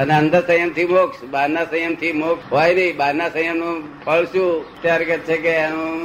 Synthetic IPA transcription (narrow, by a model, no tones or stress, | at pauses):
əneənd̪əɾsə̃jəmt̪ʰimoksbanasə̃jəmt̪ʰimokɦojnəĩbanasə̃jəmnũpʰəɭʃũt̪jaɾkɛtt͡ʃʰekenũ